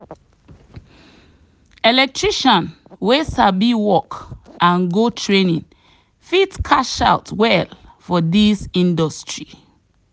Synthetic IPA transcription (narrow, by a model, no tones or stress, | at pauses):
ɛlɛk̚tʰɹiʃɔ̃n | wesabiwɔkãnɡotʰɹenĩn | fitkʰaʃa̰ʊtwɛlfɔdisĩndɔstɹi